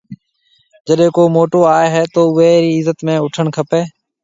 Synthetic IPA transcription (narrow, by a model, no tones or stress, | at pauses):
d͡ʒəɗẽːkoːmoːʈoːaːeːɦeːt̪oːʊɦeːɾiːɪzət̪mẽːʊʈʰəɳkʰəpeː